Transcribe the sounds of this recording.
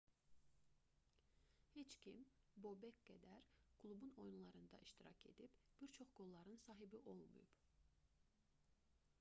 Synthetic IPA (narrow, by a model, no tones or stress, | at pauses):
het͡ʃcʰimbo̞bekɡ̥æd̪æɾkʰlˠubuno̞junlˠɑɾɯnd̪ɑ̰ʔiʃt̪iɾɑ̰cʰe̞̰d̪ibb̥iɾt͡ʃʰo̞χɡ̥o̞lˠːɑɾɯnsɑːɦibiʔo̞lˠmṵjub̥